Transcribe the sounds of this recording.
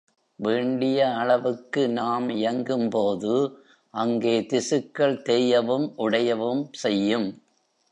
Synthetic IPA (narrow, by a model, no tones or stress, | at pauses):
ʋeːɳɖɪjɐːɭɐʋɯkːɯnaːmɪjɐŋɡɯmpoːðɯ | ʔɐŋɡeːt̪ɪsɯkːɐɭt̪ɛjɐʋɯmʔʊɽɐjɐʋɯmsɛjːɯm